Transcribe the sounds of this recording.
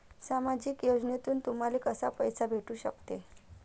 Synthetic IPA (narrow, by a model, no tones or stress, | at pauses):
samad͡ʑiːkjod͡ʑnet̪uːnt̪um̤alikəsapəjsabʱeʈuːɕə̰kt̪e